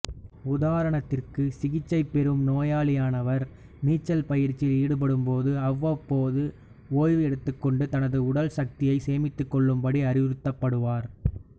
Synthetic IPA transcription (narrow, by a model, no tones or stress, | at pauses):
ʊðaːɾɐɳɐt̪ːɪrkɯsɪɣɪt͡ʃːɐɪpːɛɾɯmnoːjaːlɪjaːnɐʋɐɾ | niːt͡ʃːɐlpɐjɪɾt͡ʃːɪliːɽɯp̬ɐɽɯmpoːðɯɐʋːɐpːoːðɯ | oːjʋɯɛɽɯt̪ːɯkːɔɳɖɯt̪ɐnɐðɯʊɽɐlsɐk̚t̪ɪjɐɪseːmɪt̪ːɯkːɔɭːɯmbɐɽiɐɾɪʋɪɾɯt̪ːɐpːɐɽɯʋaːɾ